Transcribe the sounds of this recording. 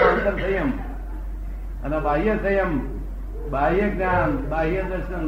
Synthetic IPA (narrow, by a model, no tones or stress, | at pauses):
ant̪ɐnsɐjɐm | ɐnɐbaːɦijɐsɐjɐm | bʱaːɦijɐɡnaːnbaːɦijɐd̪ɐɾsɐn